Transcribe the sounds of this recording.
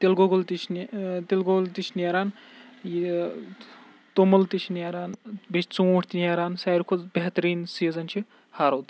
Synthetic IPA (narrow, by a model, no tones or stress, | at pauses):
t̪elɡoɡɐlt̪it͡ʃʰnt̪elɡoɡlt̪it͡ʃʰnjaɾaːn | j | t̪omɐlt̪it͡ʃʰnjaɾaːnbet͡ʃʰt͡suwːʈt̪ʲiniaɾaːnsajɾkʰubeɦt̪ɾiːnsiːzɐnt͡ʃʰi | haːɾoːd̪